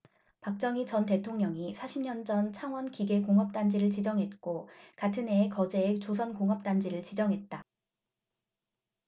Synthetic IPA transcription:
pak̚t͡ɕ͈ʌŋit͡ɕʌnte̞tʰoŋɲʌŋisʰaɕʰimɲʌnd͡ʑʌnt͡ɕʰaŋwʌnkiɡe̞koŋɦʌp̚t͈and͡ʑiɾɯɭt͡ɕid͡ʑʌŋɦe̞t̚k͈okatʰɯnɦe̞ːkʌd͡ʑe̞et͡ɕos̬ʰʌnkoŋɦʌp̚t͈and͡ʑiɾɯɭt͡ɕid͡ʑʌŋɦe̞t̚t͈a

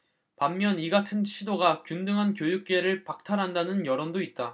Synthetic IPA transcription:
pamːjʌniɡatʰɯnt͡ɕʰidoɡakjundɯŋɦankjojuk̚k͈e̞ɾɯɭpak̚tʰaɾɦandanɯnjʌɾondoit̚t͈a

